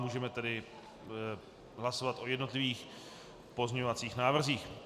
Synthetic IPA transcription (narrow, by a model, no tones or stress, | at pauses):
muːʒɛmɛt̪ɛdɪ | ɦlaso̞vat̪ʔo̞jɛdno̞t̪lɪviːx | po̞zɲɛɲovat͡siːxnaːvr̩ziːx